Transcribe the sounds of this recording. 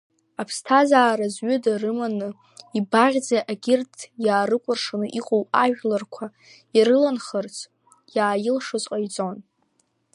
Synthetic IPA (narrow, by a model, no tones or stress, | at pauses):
apʰstʰazaːɾazɥʏdarɨmanɨ | ibaʁʲd͡zaʔaɡʲɪrtʰjaːrɨkʷʼʊrʂanɨʔiqʼowaʒᶣʲlarkʷʰa | aɾɨlanχərt͡sʰ | jaːjɪlʂozʼqʼajd͡zʼon